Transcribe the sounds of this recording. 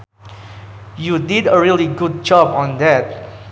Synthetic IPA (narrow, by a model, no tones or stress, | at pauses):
judidəɹiliɡud̚d͡ʒɔbɔ̃nd̪ɛt̚